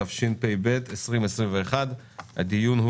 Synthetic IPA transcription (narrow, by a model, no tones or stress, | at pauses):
afʃinpejbetʰesʁimesʁimveːχad̪ | ha̰d̪ijunhu